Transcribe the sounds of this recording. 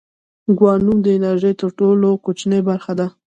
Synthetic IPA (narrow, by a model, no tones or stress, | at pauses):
ɡwɑnumd̪əɪnaɾʒəjt̪əɾʈolokot͡ʃnəjbaɾxad̪a